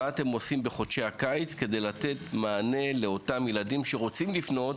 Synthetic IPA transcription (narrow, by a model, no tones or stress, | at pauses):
aate̞mo̞simbeχo̞tʃeakajit͡ske̞de̞jlate̞tmaːne̞le̞o̞tamjeladimʃe̞ʁo̞t͡simlifno̞t